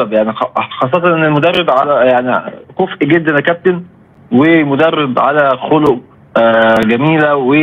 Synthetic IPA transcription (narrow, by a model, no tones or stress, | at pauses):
bjaʕniɑxɑsˤːɑt̪ˤɑʔenelmod̪ɑrˤːeb̪ʕalæjaʕnikofʔiɡed̪ːænækæp̚t̪en | wemod̪ɑrːeb̪ʕalæxoloʔ | ɡæmiːlæwe